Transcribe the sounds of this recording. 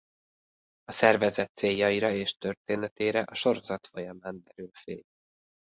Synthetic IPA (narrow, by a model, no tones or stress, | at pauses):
ɒsɛrvɛzɛt̪seːjːɒiɾɒeːʃt̪ø̞rt̪eːnɛt̪eːɾɛʔɒʃo̞ɾo̞zɒt̪fo̞jɒmaːnd̪ɛɾylfḛːl